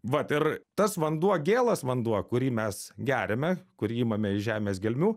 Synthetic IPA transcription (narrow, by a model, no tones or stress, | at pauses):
ʋɐt̪ɪɾt̪ɐsʋɐnd̪uɔɡʲeːlˠɐsʋɐnd̪uɔkʊɾʲiːmʲɛsɡʲæːɾʲɛmʲɛkʊɾʲiːiːmɐmʲɛɪʒʲæːmʲeːsɡʲɛlʲmʲuː